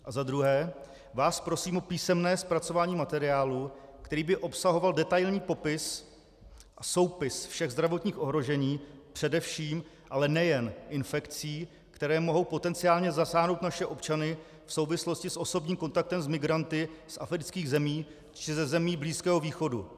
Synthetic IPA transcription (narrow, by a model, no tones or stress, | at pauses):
ʔazad̪ɾuɦɛː | vaːspɾo̞siːmʔopiːsɛmnɛːspɾat͡sovaːɲiːmat̪ɛɾɪaːlukt̪ɛɾiːbɪʔo̞psaɦo̞valdɛt̪ajlɲiːpo̞pɪs | ʔaso̞wpɪsfʃɛɣzd̪ɾavo̞t̪ɲiːxʔo̞ɦɾo̞ʒɛɲiːpr̥ɛdɛfʃiːm | ʔalɛnɛjɛnʔɪnfɛkt͡siː | kt̪ɛɾɛːmo̞ɦo̞wpo̞t̪ɛnt͡sɪaːlɲɛzasaːɦno̞wt̪naʃɛʔopt͡ʃanɪ | fso̞wvɪslo̞scɪsʔo̞so̞bɲiːmko̞nt̪ak̚t̪ɛmzmɪɡɾant̪ɪsʔa̰fɾɪt͡skiːɣzɛmiː | t͡ʃɪzɛzɛmiːbliːskɛːɦo̞viːxo̞du